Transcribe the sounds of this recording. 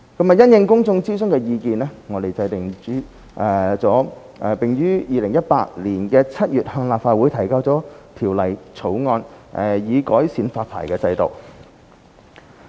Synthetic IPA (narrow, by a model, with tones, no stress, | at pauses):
kɐ˥mɐ˨jɐ˥njɪ˧ŋkʊ˥ŋt͡sʊ˧ŋt͡siː˥sɵ˥ŋkɛː˧jiː˧kiː˨˧nɛː˥ŋɔː˨˧t̪e˨jt͡sɐ˧jt̪ɪ˨ŋt͡ʃyː˨˥ | ʔɛ˨˩t͡sɔː˨˥ | ʔɛ˧pɪ˨ŋjyː˥jiː˨˧lɪ˨˩ŋjɐ˥t̚pa̰ː˧k̚liː˨˩nkɛː˧t͡sʰɐ˥t̚jyː˨t̚hœː˧ŋlaː˨p̚faː˧wu˨˥jt̪ʰɐ˨˩jkaː˧wt͡sɔː˨˥t̪ʰiː˨˩wlɐ˨˩jt͡sʰo˨˥wŋɔː˧nʔɛ˨˩jiː˨˧kɔ̰ː˨˥jsiː˨˥nfaː˧t̚pʰa̰ː˨˩jkɛː˧t͡sɐ˧jt̪o̰˨˩w